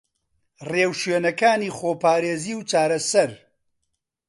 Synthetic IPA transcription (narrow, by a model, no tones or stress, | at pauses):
reːwʃweːnɐkaːniːχoːpaːɾeːziːwt͡ʃaːɾɐsɐɾ